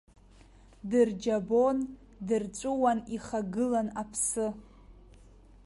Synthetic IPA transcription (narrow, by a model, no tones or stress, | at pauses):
dɨrd͡ʒabo̞n | dɨrt͡ʃʷʼʊwaniχaɡɨlanapʰsɨ